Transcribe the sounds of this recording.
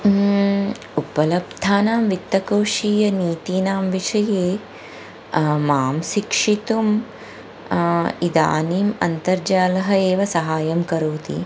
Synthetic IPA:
upɐlɐbd̪ʱaːnaːmʋit̪ːɐkoːʂiːjɐniːt̪iːnaːmʋiʂɐjeː | maːmʃikʂit̪um | id̪a̰ːniːmɐ̰nt̪ɐɾd͡ʒaːlɐɦɐeːʋɐsɐɦaːjɐmkɐɾoːt̪ḭ

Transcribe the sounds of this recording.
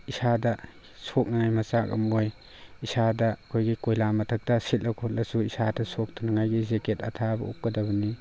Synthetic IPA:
isadɐ | sok̚naŋajmɐsakɐ̰moj | isadɐkʰojɡikojlamɐtʰɐk̚tɐsitʔɐkʰɔt̚lɐsuisadɐsok̚tʰunɐŋajɡizeketɐtʰabɐṵp̚ɡɐdɐβɐni

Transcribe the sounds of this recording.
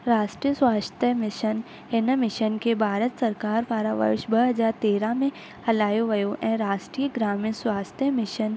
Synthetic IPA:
ɾaːʃʈɾijəswaːst̪əmɪʃən | enəmɪʃənkebʱaːɾət̪sɐɾkaːɾpaːɾaʋə̰ɾʃbɐɦɐzaːɾt̪eːɾãmẽ | hɐlaːjoʋɐjoʔɛ̃ɾaːʃʈɾiːjəɡɾaːmiswaːst̪jəmɪʃən

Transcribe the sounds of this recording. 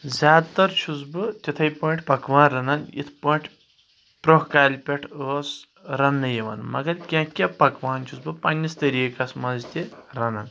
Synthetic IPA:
zʲaːd̪t̪ɐɾt͡ʃʰuzbɨt̪ʲit̪ʰɐjpɐɳʈʰʲpɐkʋaːnɾɐnɐnḭt̪ʰpɐːɳʈʰʲ | pɾohkaːlʲpʲɐʈʰəːs | ɾɐnːɨjɐʋɐ̰nmɐ̰ɡɐɾkʲãːkʲɐpɐkʋaːnt͡ʃʰusbɨpɐnʲːist̪ɐɾiːkɐsmɐzt̪ʲeɾɐnɐn

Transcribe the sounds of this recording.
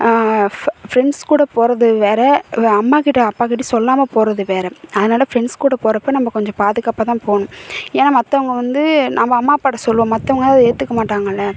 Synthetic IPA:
fɾɛɳɖskuːɽɐpoːɾɐðɯʋeːɾɛɐmːaːkɪʈːɐɐpːaːkɪʈ̬ːɐsɔlːaːmɐpoːɾɐðɯʋeːɾɛɐðɯnaːlɐfɾɛɳskuːɽɐpoːɾɐpːoːjnɐmːɐkɔɲd͡ʒɔ̃paːðɯkːaːpːaːt̪ãːpoːnʊ̃eːnaːmɐt̪ːɐʋɐŋɡɐʋɐnd̪ɯnɐmːɐːmːaːpaːɽɐsɔlːɯʋõːmɐt̪ːɐʋɐŋɡɐaɐðeːt̪ːɯkːɐmaːʈːaːŋɡɐɪlːɐ

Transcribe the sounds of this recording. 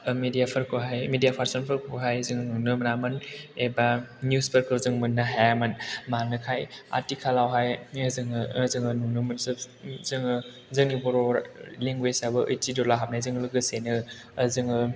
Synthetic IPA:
medijapʰɯɾkʰoɦajmidijapʰaɾsɔnpʰɯɾkʰoɦajzɯŋnunɯmnamɯnebanjuspʰəɾkɯzɯŋmɯnːaɦajamɯnmanɯkʰaja̰tikʰalawɦajzɯŋzɯŋɯnunɯmɯnsɯ | zɯŋɯ | zɯŋnibɔɾɔɾliŋɡwesabɯʔɯjtidɔlaɦap̚najzɯŋlɯɡɯsenɯː | zɯŋɯ

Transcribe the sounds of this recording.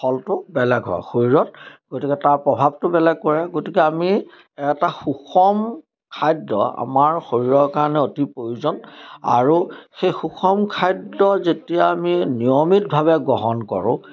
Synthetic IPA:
pʰɔltʊbɛlɛɡɦɔ̰a̰xoɹiɹɔt̚ɡ̥otikɛtaɹpɹɔbʱab̚tʊbɛlɛɡ̚kɔɹɛɡotikɛami | ɛtaxukʰɔm | kʰajdːɔ̰a̰maɹxoɹiɹɔɹkaɹanɛotipɹojuzɔna̰ɹuxejxuxʰɔmkʰajdːɔzetijaːminiɔmit̚bʱaβɛɡɔɦɔnkɔ̰ɹʊ̰̃

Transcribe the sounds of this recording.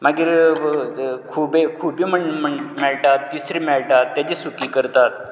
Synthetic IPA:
maɡiɾ | kʰubekʰuːbiːməɳməɳmɛɭʈat̪ːisɾiːmɛɭʈat̪ːjat͡ɕesukiːkəɾt̪at̪̚

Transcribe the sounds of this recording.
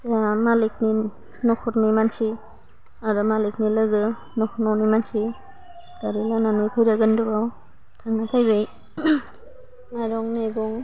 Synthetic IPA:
samalik̚ni | nɔkʰɔɾnimansi | aɾɯmalik̚nilɯɡɯ | nɔkʰɔnɔnimansi | daɾilananɯjkʰɯjɾaɡɯndɯbaw | tʰaŋnakʰajbej | najɾɔŋneɡɔŋ

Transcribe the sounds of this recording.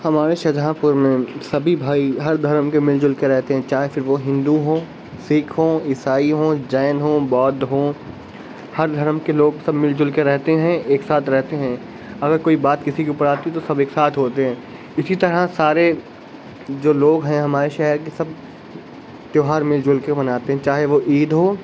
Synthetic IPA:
hɐmaːɾeʃɐd͡ʒʱaːpʊɾmẽsɐbʱibʱaːiɦɐɾd̪ʱɐɾmkemɪld͡ʒʊlkeɾɛɦt̪eɦɛ̃t͡ʃaːɦefɪɾʋoɦɪ̃nd̪uɦõː | siːkʰɦõːɪsaːiɦõːd͡ʒaːnɦoːbɔːd̪ɦõː | hɐɾd̪ʱɐɾmkeloːɡsɐbmɪld͡ʒʊlkeɾɛɦt̪eɦɛ̃eːksaːt̪ʰɾɛɦt̪eɦɛ̃ː | ɐɡəɾkoːibaːt̪kɪsikiʊpəɾaːt̪iɦɛt̪osɐbeːksaːt̪ʰɦoːt̪eɦɛ̃ː | ɪsit̪ɐɾasaːɾe | d͡ʒoːloːɡɦɛ̃ɦɐmaːɾeʃɛɦəɾkesɐb̚ | t̪joːɦaːɾmɪld͡ʒʊlkebɐnaːt̪eɦɛ̃t͡ʃaːɦeʋoʔiːd̪ɦoː

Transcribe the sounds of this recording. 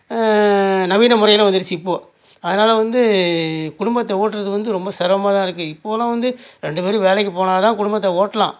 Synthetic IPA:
nɐʋiːnɐmʊɾrɐjɪlɐʋɐnd̪ɪɽɯt͡ʃːɯɪpːoː | ɐðɐnaːlɐʋɐnd̪ɯkʊɽʊmbɐt̪ːɐoːʈːɯɾɐðɯʋɐnd̪ɯɾɔmbɐsɛɾʋɐmaːt̪ãːɪɾɯkːɯɪpːoːlãːʋɐnd̪ɯɾɛɳɖɯpeːɾiʋeːlɛkːɯpoːnaːɐt̪ãːkʊɽʊmbɐt̪ːɐoːʈːɐlã̰ː

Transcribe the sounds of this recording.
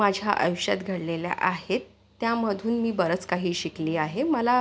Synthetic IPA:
ad͡ʑʱja̰ʔə̰jɕa̰t̪ɡʱəɽlelja̰ʔaɦet̪ːjaməd̪ʱuːnmiːbəɾət͡skaɦiːɕikliːaɦeməla

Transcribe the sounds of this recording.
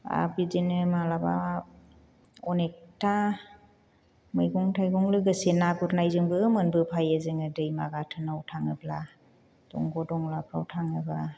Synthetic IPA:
a̰bizinɯmalaba̰ | ɔnek̚tʰa | mɯjɡɔŋtʰajɡɔŋlɯɡɯsenaɡɔɾnajzɯŋbɯɯmɯnbɯpʰajezɯŋɯdɯjmaɡatʰɯnawtʰaŋɯbla | d̥ɔ̰ŋɡɔdɔŋlapʰɾawtʰaŋɯba

